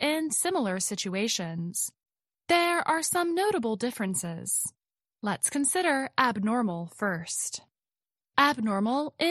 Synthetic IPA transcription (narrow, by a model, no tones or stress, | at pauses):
ʔɪ̃nsɪ̃ml̩ˠə˞sɪt͡ʃueɪʃɨ̃nz̥ | ðə˞ə˞sʌ̃mnoʊɾəbl̩ˠdɪfɹɨ̃nsɪz̥ | lətskʰɨ̃nsɪɾə˞ʔæb̚nɔɹml̩ˠfɜ˞st | ʔæb̚nɔɹml̩ˠʔɪ